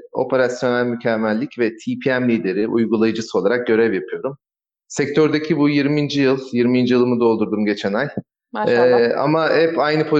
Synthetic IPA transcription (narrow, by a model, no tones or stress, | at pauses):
o̞̰pʰe̞ɾasjo̞nælʲmycʰɛmːælʲːicvɛt̪ʰipʰiɛmlʲiːd̪eɾɪʔṵjɡulˠajɯd͡ʒɯsɯo̞lˠaɾak̚ɟø̞ɾɛvjapʰɯjo̞ɾum | sɛc̚t̪ʰøɾd̪ecʰibujiɾmind͡ʒijɯlˠjiɾmind͡ʒijɯlˠmɯd̪o̞lˠd̪uɾd̪umɟe̞t͡ʃʰɛnaj | a̰mahɛpajnɯpʰo̞